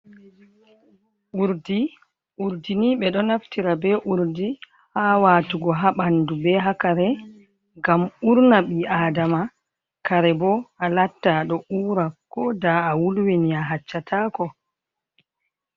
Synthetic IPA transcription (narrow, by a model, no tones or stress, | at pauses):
ʔuɾdi | ʔuɾdiniɓɛɗɔnaftiɾabɛʔuɾdi | haːwaːtuɡɔɦaɓandubɛɦakaɾɛ | ɡamuɾnaɓiaːdama | kaɾɛbɔʔalatːaɗɔʔuːɾakːɔdaːwulweniaɦat͡ʃːatʰaːkɔ